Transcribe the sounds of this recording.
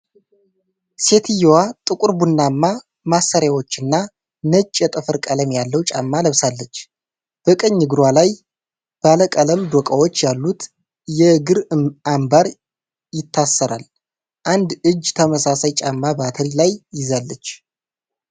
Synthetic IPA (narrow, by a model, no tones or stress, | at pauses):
se̞t̪ʰijowat̪ʼɨkʷʼuɾbunːamːa | masːəɾjawo̞t͡ʃːɨnːa | nət͡ʃʼːɛt̪ʼɨfɨɾkʼələmjalːəwt͡ʃʼa̰mːaləβsalːət͡ʃː | b̥əkʼəɲːɨɡɨɾwalaj | b̥aləkʼələmd̪okʼəwo̞t͡ʃːjalːut̪ | jɛɡɨɾambaɾ | jɪt̪ʰːasːəɾa̰l | ʔand̪ɨd͡ʒːt̪ʰəməsasajt͡ʃʼamːabat̪ʰəlilajːɪzalːət͡ʃː